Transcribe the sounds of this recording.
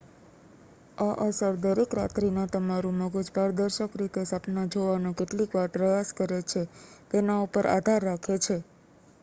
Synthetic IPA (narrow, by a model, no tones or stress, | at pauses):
aʔəsəɾd̪əɾekɾat̪ɾinat̪əmaɾũməɡod͡ʒbʱaɾd̪əɾʃəkɾit̪esapnad͡ʒoʋanũkeʈlikʋaɾpɾəjaskəɾet͡ʃʰet̪enaupəɾʔa̰d̪ʱaɾːakʰet͡ʃʰe